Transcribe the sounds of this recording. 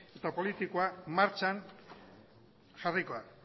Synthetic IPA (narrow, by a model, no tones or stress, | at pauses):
e̞t̪apo̞lit̪ikoamaɾt͡ʃan | ʝariko̞a